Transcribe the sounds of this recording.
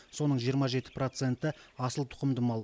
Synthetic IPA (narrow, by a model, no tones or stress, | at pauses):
so̞nəɴʒijəɾmɑʒe̞t̪ɪ̥pro̞t̪se̞nt̪ɪɑsəlˠt̪ʰʊ̥qəmd̪əmɑlˠ